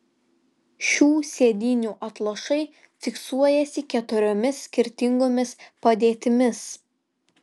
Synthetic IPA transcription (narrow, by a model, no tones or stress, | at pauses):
ʃʲuːsʲeːd̪ʲiːnʲuːʔɐt̪lˠɐʃɐɪ | fʲɪksuɔjɛsʲɪkʲɛt̪ʊɾʲomʲɪsːʲkʲɪɾʲt̪ʲɪŋɡoːmʲɪspɐd̪ʲeːt̪ʲɪmʲɪs